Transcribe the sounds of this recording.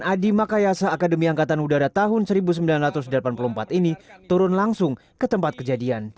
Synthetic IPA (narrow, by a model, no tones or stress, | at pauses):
adimakajasaːkadəmiaŋkat̪anudaɾat̪aɦʊnsəɾibus̬əmbilanɾat̪ʊsdəlapanpuluəmpat̪init̪uɾʊnlaŋsʊŋ | kət̪əmpat̪̚kəd͡ʒadian